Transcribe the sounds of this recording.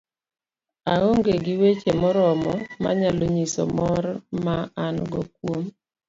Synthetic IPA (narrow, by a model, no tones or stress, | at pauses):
aoŋɡeɡɪwet͡ʃemɔɾɔmɔma̰ɲaloɲisɔ̰mɔrmaanɡɔkwom